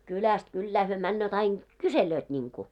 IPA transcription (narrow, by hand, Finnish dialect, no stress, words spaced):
kylæst kylːæː hyø mænːøːt ɑin kyseløːt nʲiŋku